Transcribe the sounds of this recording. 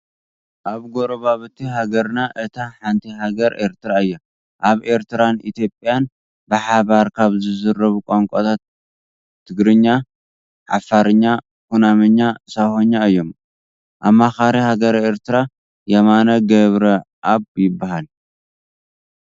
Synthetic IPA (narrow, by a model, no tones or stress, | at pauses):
ʔaβɡoɾoβaβɨt̪ʰːiɦaɡɐɾnaʔɨt̪ʰaħant̪ʰiɦaɡɐɾʔe̞ɾt̪ʰɨɾaɨjːa | ʔaβe̞ɾt̪ʰɨɾanʔit̪ʰjo̞pʼːjan | bɨħaβaɾkʰaβzɨzɨɾːɐβukʼoŋkʷʼot̪ʰat̪̚ʰː | ɨɡɾɨɲːa | ʕa̰faɾɨɲːa | kunamɐɲːasahoɲːaɨjːom | ʔamːaxaɾihaɡɐɾe̞ɾt̪ʰɨɾa | jɐmanɐɡɐβɾɐ | ʔaβjɪbːahal